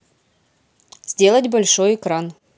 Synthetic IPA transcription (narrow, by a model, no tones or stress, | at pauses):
zʲdʲe̞lˠətʲbɐlʲʂojɪkɾan